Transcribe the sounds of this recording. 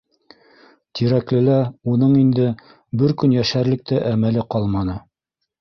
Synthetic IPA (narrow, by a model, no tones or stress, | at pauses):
t̪iɾæklɘlæunɤɴind̪ɘ | bɘɾkɵnjæʃæɾlɘ̆k̚t̪æʔæmælɘqɑlˠmɑnɤ